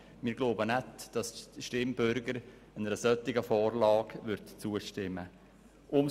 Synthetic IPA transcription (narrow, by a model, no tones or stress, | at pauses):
mɪːɾɡloʊbənɛtd̥ɑsʃtɪmbʏɾɡəɾ | ɛnəɾəsœt̪ːɪɡəfɔːɾlɑːɡʋʏɾtt͡suəʃtɪmːə | ʔʊm